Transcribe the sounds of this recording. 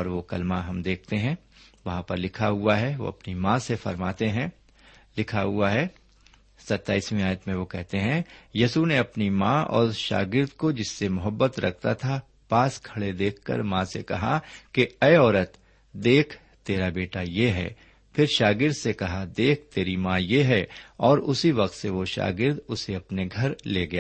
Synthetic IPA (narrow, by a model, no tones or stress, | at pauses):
ɔːɾʋokɐlmaɦɐmd̪eːk̚ʰt̪eɦɛ̃ | ʋɐɦãpɐɾlɪkʰaɦʊaɦɛʋo̰ːɐ̰pnimãːsefɐ̰ɾmaːt̪eɦɛ̃ | lɪkʰaɦʊaɦɛː | sɐt̪ːaːismĩaːjət̪mẽʋokɛɦt̪eɦɛ̃jiːsuneɐpnimãɔ̰ːɾʃa̰ːɡɪɾd̪kod͡ʒɪsːemʊɦəbːət̪ɾʔɐ̰k̚ʰt̪at̪ʰa | paːskʰɐɭed̪eːkʰːɐ̰ɾmãsḛkɐɦakeɛːɔːɾət̪ | d̪eːkʰ | t̪eːɾabeːʈajeɦɛ̰ː | pʰɪɾʃaːɡɪɾd̪sekɐɦad̪eːk̚ʰt̪eːɾimãjeɦɛɔːɾʊsiʋɐq̚t̪seʋoʃa̰ːɡɪɾd̪ʊseɐpneɡʱɐɾleːɡɐjaː